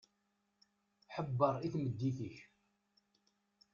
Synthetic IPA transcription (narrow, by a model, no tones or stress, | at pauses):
ħəbːəɾˤiθməd̪ːiθiç